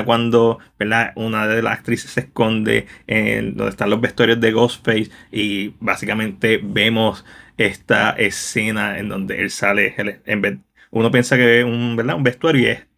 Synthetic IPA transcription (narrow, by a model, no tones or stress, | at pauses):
kwãnd̪o̞b̥eɾd̪aunaðela̰sak̚t̪ɾisesːe̞hko̞nd̪e̞̰ḛd̪o̰nd̪eht̪anlozbest̪uaɾjozd̪e̞ɣosfejsibasikamẽnt̪e̞be̞mose̞st̪a̰ʔe̞se̞naḛnd̪õ̞nd̪e̞̰ʔḛlsaleeleembe | unopjensakeesumbeɾd̪aumbest̪uaɾjuḛs